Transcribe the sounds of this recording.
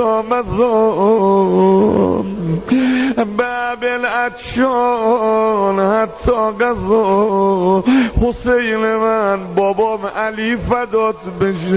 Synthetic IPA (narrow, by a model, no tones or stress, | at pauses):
ɔːmæzɔ | bæbelætt͡ʃʰɔ | nhæt̪ʰːɔːɡæzɔ | hosejlemænbɔːbɔːmʔæliːfæd̪ɔːd̪beʃ